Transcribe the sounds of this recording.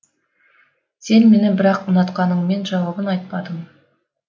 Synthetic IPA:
se̞nme̞nɪbɪɾɑqʊnɑt̪qɑnəɴme̞nʒɑwɑbənɑjt̪̚pɑd̪əm

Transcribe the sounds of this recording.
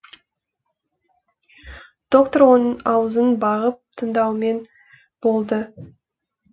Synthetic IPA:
d̪̥o̞k̚t̪oɾwo̞nəɴɑwəzənbɑʁəp̚t̪ʰənd̪ɑwme̞n | b̥o̞lˠd̪ə

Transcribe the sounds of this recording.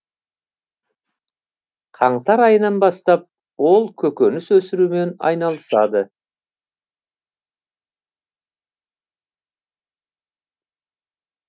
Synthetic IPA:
qʰɑɴt̪ɑɾɑjənɑnbɑst̪ɑp̚ | wo̞lˠkʲʰɵkʲønɪswɵsɪɾume̞nɑ̰jnɑlˠəsɑd̪ə

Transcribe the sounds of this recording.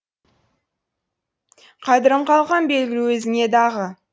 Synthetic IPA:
qʰɑd̪ɪɾəmqʰɑlˠʁɑnbe̞lɡʲɪluwɵzɪŋe̞d̪ɑʁə

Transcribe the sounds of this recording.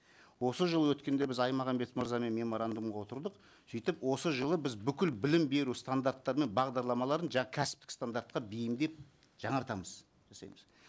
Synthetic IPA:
wo̞səʒəlˠəwɵt̪kʲe̞nd̪e̞bɪzɑjmɑʁɑmbe̞t̪məɾzɑme̞nme̞mo̞ɾand̪umʁɑwo̞t̪əɾd̪əq | sijt̪ɪpwo̞səʒəlˠəbɪzbʏkʲɪlbɪlɪmbe̞ɾust̪and̪aɾt̪ːɑɾme̞nbɑʁd̪ɑɾlˠɑmɑlˠɑɾənʒɑɴɑkʲʰæsɪ̥p̚t̪ɪkst̪and̪aɾt̪qɑbejɪmd̪e̞p̚ | ʒ̥ɑɴɑɾt̪ɑməz̥ | ʒ̥ɑsɑ̰jməz

